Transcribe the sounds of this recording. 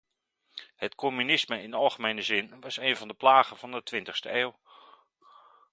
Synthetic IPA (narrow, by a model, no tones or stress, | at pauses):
hətkʰomynɪsməɪnɑlˠχəmejnəzɪnʋɑsejnvɑndəplaːχənv̥ɑndətʋɪntəχstəeːwˠ